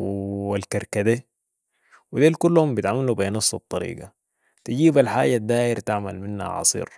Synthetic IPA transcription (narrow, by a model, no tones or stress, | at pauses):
walkaɾkad̪eː | wid̪eːlkulːhumbijt̪ʕamalubenɑsˤːɑt̪ˤːɑɾḭːɡa | t̪iɟiːbalħaːɟad̪ːaːʔɪɾt̪aʕma̰lmɪnha̰ʕɑ̰sˤḭːɾ